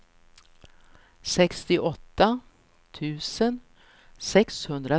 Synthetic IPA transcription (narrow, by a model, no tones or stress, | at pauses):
sɛkst̪ɪʔɔt̪ːa | t̪ʰʉ̟ːsən | sɛkshɵnd̪ɾa